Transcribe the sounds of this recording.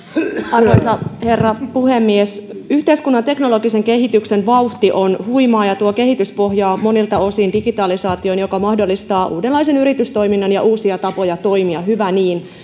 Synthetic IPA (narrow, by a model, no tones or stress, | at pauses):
ɑrʋojsɑhe̞rːɑpuhemːiesyht̪eiskunːɑnt̪e̞kno̞lo̞ɡise̞ŋke̞ɦit̪yksenʋɑuht̪iʔo̞nhuimɑːjɑt̪uoke̞ɦit̪yspo̞ɦjɑːmo̞nilt̪ɑo̞sindiɡit̪ɑlisɑːt̪io̞njokɑmɑhdolːist̪ɑːʔṵːdelːɑisenyɾit̪yst̪o̞iminːɑnjɑʔuːsiɑt̪ɑpo̞jɑt̪o̞imiɑɦyʋæniːn